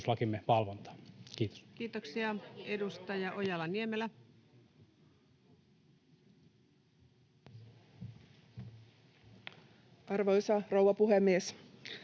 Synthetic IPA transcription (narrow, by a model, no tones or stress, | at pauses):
slɑkimːeʋɑlʋont̪ɑ̥ːkiːt̪o̥skiːt̪oksiɑedust̪ɑjɑʔojɑlɑniemelæ | ʔɑrʋojsɑrowʋɑpuhemːies